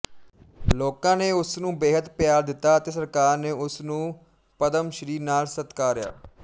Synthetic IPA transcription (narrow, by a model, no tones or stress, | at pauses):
loːkãːneːʊsnũːbeːɦət̪pɪjaːɾd̪ɪt̪ːaːət̪eːsəɾkaːɾneːʊsnũː | pəd̪əmʃəɾiːnaːlsət̪kaːɾja̰ː